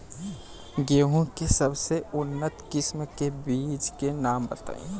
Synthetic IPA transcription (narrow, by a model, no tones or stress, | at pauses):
ɡeːɦõkesɐbseʊnːət̪kɪsmkebiːt͡ʃkenaːmbɐt̪a̰ːḭ̃